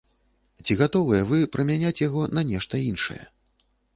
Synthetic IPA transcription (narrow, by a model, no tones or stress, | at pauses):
t͡sʲiɣat̪ɔvɨjɛvɨpɾʔɐmʲanʲat͡sʲjaɣɔnɐnʲɛʂt̪ɐinʂɐ̰jɛ̰